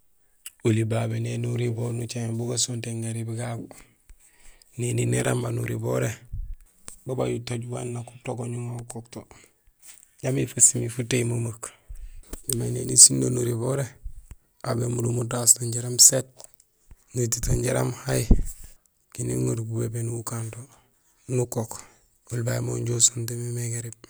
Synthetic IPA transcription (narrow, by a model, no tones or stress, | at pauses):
ulibabenenuɾibonut͡ʃaebuɡasonteŋɡaɾibiɡaɡu | nininiɾʔa̰mbanuɾibo̰ɾe | baba̰jutoɟwa̰nːaku̥toɡoɲuŋokokto | jamifasimifuteimumak | nimajnenisinːonuɾiboɾe | abemuɾumutastoɲɟeɾamset̚ | nutitoɲɟeɾa̰mhaj | kinḭŋoɾbubebenuukanto | nukok | ulbaimoɲɟosontemimeɡeɾib̚